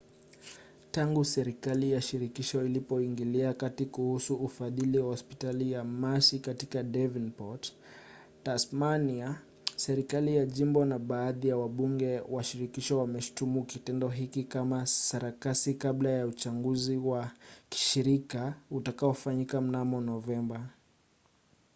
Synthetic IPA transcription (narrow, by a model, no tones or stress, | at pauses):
taŋɡusɛɾikalijaʃiɾikiʃɔilipɔiŋɡiliakatikuhusuːfaðiliwahɔspi̥talijamasikatikadɛvinpɔt | tasmania | sɛɾikalijaʄimbɔnaɓaːðijawaɓuŋɡɛwaʃiɾikiʃɔwamɛʃu̥tumukitɛndɔɦikikamasaɾakasikablajaut͡ʃaŋɡuziwaki̥ʃiɾikautakaɔfaɲikam̩namɔnɔvɛmba